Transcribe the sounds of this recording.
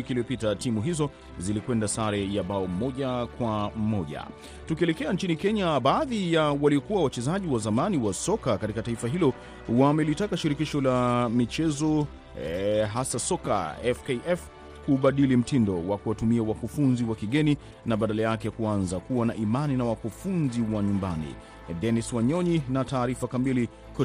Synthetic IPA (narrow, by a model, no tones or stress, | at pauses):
ikiliɔpitatimuɦizɔ | zilikwɛndasaɾɛjaɓaɔm̩mɔʄakwam̩mɔʄa̰ | tukiɛlɛkɛant͡ʃinikɛɲaɓaːðijawaliɔkuwawat͡ʃɛzaʄiwazamaniwasɔkakatikataifaɦilɔ | wamɛlitakaʃiɾikiʃɔlamit͡ʃɛzɔ | ɦasasɔka̰ɛfkeʔɛf | kuɓaɗilim̩tindɔwakuwatumiawakufunziwakiɠɛni | naɓaɗalajakɛkuanzakuwanaʔimaninawakufunziwaɲumbanḭ | dɛniswaɲɔɲinataːɾifakamili | k